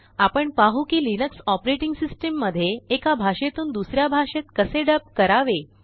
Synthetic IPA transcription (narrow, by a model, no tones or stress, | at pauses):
apəɳpaɦukiːlinəksɔpɾeʈiŋɡsisʈemːəd̪ʱːjeːkabʱaʂet̪uːnd̪usɾjabʱaʂet̪kəseɖəp̚kəɾaʋe